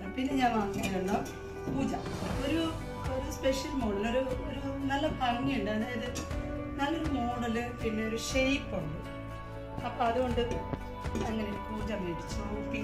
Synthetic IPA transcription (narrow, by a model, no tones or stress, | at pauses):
pinːe̞ɲãːnʋaːŋit͡ɕːiʈːuɳːɐ | puːd͡ʑɐoɾu | oɾuspeʂjɐlmoːɽɐloɾuoɾunɐlːɐt̪ɐlɐŋːijuɳɖɨɐnːejɐðɨ | nɐlːoɾumo̞ːɽɐlɨpinːe̞o̞ɾuʂejpːoɳɖɨ | ɐpːoːɐðuɣo̞ɳɖɨ | ɐŋːɐleupuːd͡ʑɐmːeʈːit͡ɕːuukːi